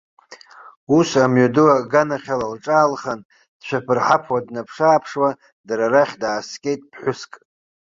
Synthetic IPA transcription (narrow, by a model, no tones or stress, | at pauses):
usamɥadɨwaɡanaχʲalalʈ͡ʂʼaːlχan | d̥ʃʷʰᶣapʰɨrħapʰwadnapʰʂaːpʰʂwa | daɾaɾaχʲdaːskʲʼe̞jtʼpʰħʷʊskʼ